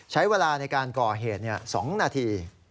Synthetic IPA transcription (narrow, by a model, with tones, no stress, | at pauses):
t͡ɕʰa˦˥jweː˧laː˧na˧jkaː˧nkɔː˨˩ɦeː˨˩t̪̚ni˥˩ɐsɔː˩˦ŋnaː˧t̪ʰiː˧